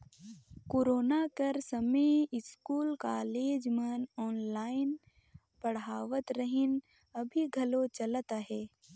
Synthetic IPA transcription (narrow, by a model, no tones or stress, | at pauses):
koːɾoːnakɐɾsɐmeɪskuːlkaːleːd͡ʒmənɔːnlaːɪn | pɐɽaːʋət̪ɾəɦɪn | ɐbʱiɡʱɐlot͡ʃɐlt̪aɦɛː